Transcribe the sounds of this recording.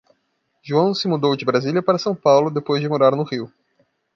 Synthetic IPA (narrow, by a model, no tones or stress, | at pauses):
ʒuɐ̃w̃sɪmud̪owd͡ʒɪbɾazilʲiɐpaɾɐsɐ̃w̃pawlʊd̪epojzd͡ʒɪmoɾaɾnʊʁiw